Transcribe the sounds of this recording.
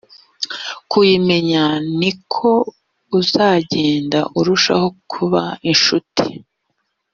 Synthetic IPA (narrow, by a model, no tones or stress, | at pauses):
kujime̞ɲanikʰo̞ | uzaːɟe̞ːndaʔuɾuʃa̰ho̞kʰuβa̰inʃutʰi̥